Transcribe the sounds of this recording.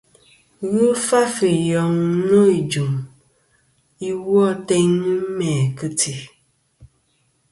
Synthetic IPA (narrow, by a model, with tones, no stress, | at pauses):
wu˦fa˦fi˨jɔ˨ŋ˦no˦i˨d͡ʒu˨m | i˦wɔ˦˨te˦nɨ˦mɛ˨kɨ˦tʰi˨